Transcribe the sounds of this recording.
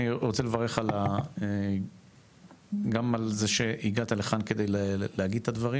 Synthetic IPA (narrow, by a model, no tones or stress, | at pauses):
iʁot͡selevaʁe̞χalae | ɡamalzeʃe̞iɡat̪aleχanke̞d̪ejllehaɡid̪̚t̪ad̪vaʁi